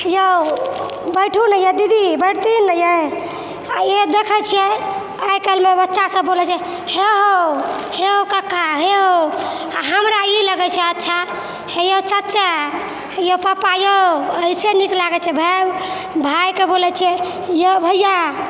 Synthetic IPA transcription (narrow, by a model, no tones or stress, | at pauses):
jə | bəjʈʰunəjəd̪id̪ibəɽt̪inəjəj | jed̪ekʰət͡ʃʰijɛ | əjkəlmebətːʃasəbːolɛt͡ʃʰiɛ | heɦoheɦokəkaɦeɦo | ɦəmɾailəɡɛt͡ʃʰɛətːʃʰa | hejot͡ʃətːt͡ʃʰɛ | jopapajoəiseniklaɡɛt͡ʃʰɛbʱa | bʱajkebolɛt͡ʃʰiɛ | jebʱəjːa